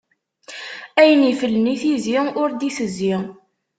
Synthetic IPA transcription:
æjənifəlːniθiziʊɾd̪iθəzːi

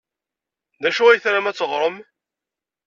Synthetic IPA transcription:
ðæʃuæjθɾamæt͡sːəʁɾˤəm

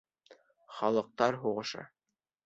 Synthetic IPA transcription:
χɒlˠɤ̆q̚t̪ɑɾɦuʁɤ̆ʃɤ̰

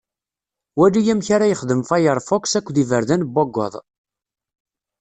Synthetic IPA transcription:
wælːijæmçaɾajəχðəmfɑjəɾˤfɔksækʷːðivəɾðænbːɑɡːɔ̰ðˤ

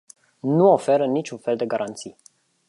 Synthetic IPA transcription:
nuo̞fe̞ɾənit͡ʃʲunfe̞ld̪e̞ɡaɾant̪si

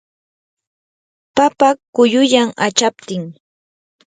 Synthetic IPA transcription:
papakʊjʊʎamat͡ʃap̚t̪ɪŋ

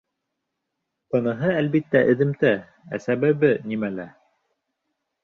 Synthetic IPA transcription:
pɤ̆nɤ̆ɦɤælbit̪ːæʔɘ̆ðɘ̆mt̪æ | æ̰sæβæβɘnimælæ

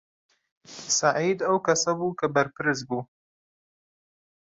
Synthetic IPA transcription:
saʕiːd̪ɐwkɐsɐbuːkabɐɾpɨɾɨzbu

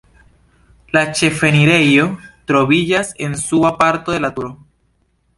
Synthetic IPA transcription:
lat͡ʃe̞fe̞niɾe̞jo̞tɾo̞βid͡ʒase̞nsuapaɾto̞de̞latuɾo

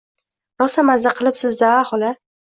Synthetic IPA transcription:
nɒsamazd̪aqʰɨlˠɪpsɪzd̪aaχɒla

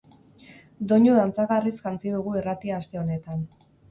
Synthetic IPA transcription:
d̪o̞ɲoðant͡saɣarisʝant͡siðuɣ̞uirat̪iaːst̪e̞o̞ne̞t̪an

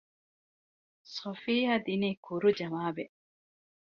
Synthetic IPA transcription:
sofiːɦaːd̪iniːkʰuɾud͡ʒɐʋaːbe

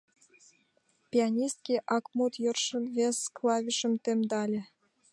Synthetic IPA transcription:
pʲiɑnʲist̪̚kʲiʔɑkmut̪jorʃə̆nvesklɑvʲiʃə̆mt̪emd̪ɑlʲĕ

